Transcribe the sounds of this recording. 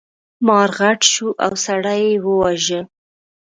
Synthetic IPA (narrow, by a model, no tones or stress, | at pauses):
mɑɾɣaʈʃuʔawsaɽajewəwaʒə